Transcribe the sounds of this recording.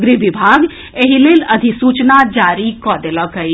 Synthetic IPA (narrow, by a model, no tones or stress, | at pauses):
ɡɾiʋɪbʱaːɡ | eɦileːlɐd̪ʱisuːt͡ʃnad͡ʒaːɾikɔːd̪eləkɦəi